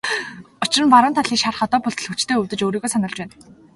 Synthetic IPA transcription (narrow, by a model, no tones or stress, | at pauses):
ʊt͡ɕɪ̆rə̆npaɾʊːnt̪ʰaɮiːkʃarχɔt̪ɔːpʊɮt̪ɮxut͡ɕt̪ʰeːɵwt̪ɘ̆t͡ɕoːɾiːɣoːsanə̆ɮt͡ɕpæːn